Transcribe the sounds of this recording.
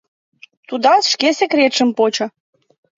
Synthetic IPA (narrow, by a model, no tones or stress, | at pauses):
t̪ud̪ɑsʃkesekɾʲet̪ʃə̆mpot͡ɕɤ̆